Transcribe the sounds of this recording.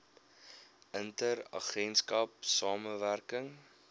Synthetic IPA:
ʔəntəɾɐ̰χɛnskɐp̚sɑːməværkəŋ

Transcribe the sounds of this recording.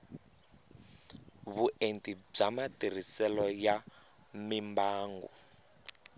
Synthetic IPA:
βuʔentʼib͡ʐamatir̤isɛlɔja | mimbaːŋɡṵ

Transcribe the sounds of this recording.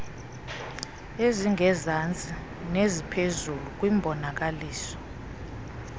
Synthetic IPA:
eziŋɛzant͡sʼi | nezipʰezuluk̬ʼwimbʱɔnak̬ʼaliːsɔ̥

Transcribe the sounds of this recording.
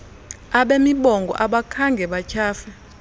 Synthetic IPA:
aɓemiɓɔŋɡʱɔ̰ʔaɓakʰaŋɡʱɛɓat͡ʃʰaːfɛ

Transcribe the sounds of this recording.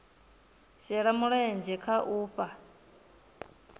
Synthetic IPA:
ʃɛɺamuɺɛɛnd͡ʒɛkʰaʔuːɸa

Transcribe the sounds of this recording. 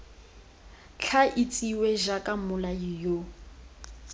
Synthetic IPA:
t͡ɬʰaʔit͡sʼiwɛʒakʼamʊlajijo

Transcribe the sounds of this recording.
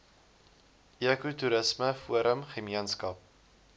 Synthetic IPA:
ʔiəkutuɾəsməfuəɾəmχəmiənskɐp̚

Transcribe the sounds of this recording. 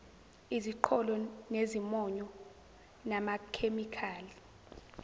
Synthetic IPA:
iziǃʰɔlɔnezimɔɲɔ | namakʰemikʰaːli

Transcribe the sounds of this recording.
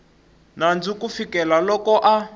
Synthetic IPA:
nand͡zikufikɛlalɔkɔʔa

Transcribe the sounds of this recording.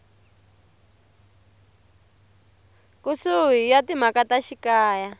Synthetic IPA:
kusuɦijatim̤akataʃikaːja

